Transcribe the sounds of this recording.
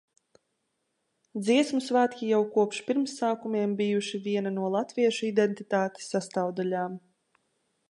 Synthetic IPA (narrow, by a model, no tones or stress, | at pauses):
d̪ziɛsmusvaːt̪ʲkʲijawkuɔpʃpʲiɾmsːaːkumʲiɛmbʲijuʃivʲiɛnanuɔlˠat̪viɛʃuid̪ɛnt̪it̪aːt̪e̥sːast̪awd̪alʲaːm